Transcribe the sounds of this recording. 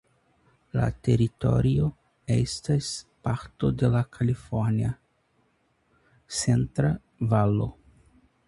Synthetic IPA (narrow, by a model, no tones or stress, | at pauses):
la̰te̞ɾito̞̰ɾio̞ | e̞̰staspaɾto̞de̞lakʰalifoɾnia | se̞ntɾa | valo